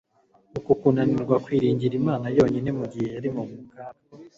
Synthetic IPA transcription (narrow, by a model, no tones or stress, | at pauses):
ukukunaniɾɡwakwiːɾiːɲɟiɾimaːnajo̞ːɲine̞muɡihe̞jaɾimumukaɾa